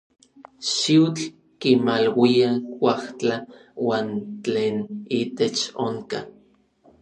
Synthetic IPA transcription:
ʃiwt͡ɬ | kimalwiawʷaht͡ɬawaːnt͡ɬeːnit̪et͡ʃoŋka

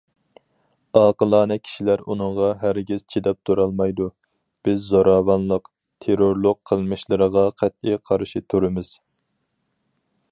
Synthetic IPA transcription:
ɑːqəlˠɑːnɛkʲʰi̥ʃilæɾunɨŋʁɑɦæɾɡʲiz̥t͡ʃʰid̪ɛp̚t̪ʰuɾɑlˠmɑjd̪u | b̥ɪzːoɾɑːvɑnlˠəq | t̪ʰeɾoɾlˠʊqqʰːəlˠmɨʃlˠɨɾəʁɑqʰæt̪̚iqʰɑɾɨʃit̪ʰuɾɨmɪz̥

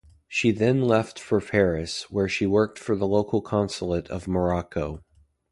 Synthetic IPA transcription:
ʃiðɨ̃nlɛftfə˞pʰɛɹɨswə˞ʃiwɜ˞k̚tfə˞ðəloʊkʰl̩ˠkʰɑ̃nsl̩ˠəɾʌ̰vmə˞ɑkoʊ

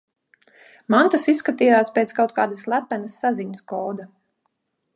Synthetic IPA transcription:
mant̪asisːkat̪iːjaːspʲeːt̪skawt̪̚kaːd̪aslˠæpænɐsːaziɲskɔːd̪a

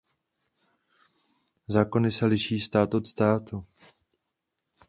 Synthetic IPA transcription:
zaːko̞nɪsɛlɪʃiːst̪aːt̪ʔo̞t̪st̪aːt̪u

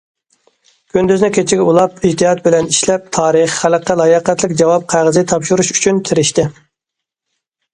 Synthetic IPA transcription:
kʲʰynd̪yznɪkʲʰet͡ʃʰɪɡʲɛulˠɑp̚id͡ʒt̪ɨɦɑt̪̚bɪlɛniʃlɛp̚t̪ʰɑːɾəχhæləqːəlˠɑjɑqæt̪lɪkʲd͡ʒɑwɑp̚qʰɑʁəzt̪ʰɑpʃuɾuʃy̥t͡ʃʰynt̪ʰɪɾɪʃt̪ɪ

